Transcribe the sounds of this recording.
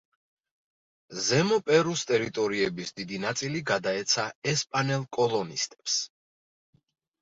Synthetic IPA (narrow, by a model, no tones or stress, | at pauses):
zɛmɔpʼɛɾust̪ʼɛɾit̪ʼɔɾiɛbisd̪id̪inat̪sʼiliɡad̪aɛt̪sʰaɛspʼanɛlˠkʼɔlˠɔnist̪ʼɛ̥ps